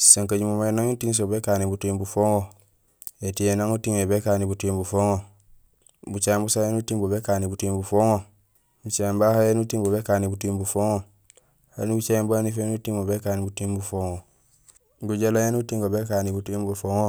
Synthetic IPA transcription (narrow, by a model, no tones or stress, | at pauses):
saŋkad͡ʒimomaenaŋutiŋs̬obekanibutimbufoŋo | etijenaŋutiŋebekanibutimbufoŋo | but͡ʃambusajenutiŋbobekanibutimbufoŋo | but͡ʃambahajenutiŋbobekanibutimbufoŋo | hanibut͡ʃaembanifenutiŋobekanibutimbufoŋo | ɡud͡ʒelajenutiŋɡobekanibutimbufoŋo